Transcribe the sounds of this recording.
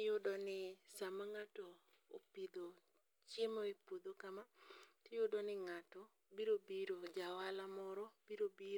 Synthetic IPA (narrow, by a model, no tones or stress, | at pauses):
jodɔnɪsamaŋatɔ̰ː | pid̪o | t͡ʃjemoepod̪okamatɪjodɔnɪŋatɔ | biɾobiɾod͡ʒawalamɔɾɔb̥iɾobi